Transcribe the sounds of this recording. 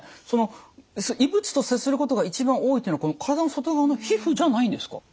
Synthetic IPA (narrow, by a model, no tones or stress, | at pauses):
so̞no̞soibɯ̟t͡sɨ̥t̪o̞sesɨɾɯ̟ko̞t̪o̞ɡait͡ɕibãɰ̃o̞ːit̪ːeinokonokaɾad̪anoso̞t̪o̞ɡaβano̞çiɸɯ̟d͡ʑanaĩnd̪e̞sɨ̥ka̰